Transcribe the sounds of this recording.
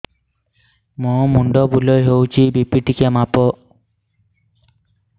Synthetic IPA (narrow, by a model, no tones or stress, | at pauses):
mũmuɳɖɔbulɔjɦewt͡ʃʰibipiʈikemapɔ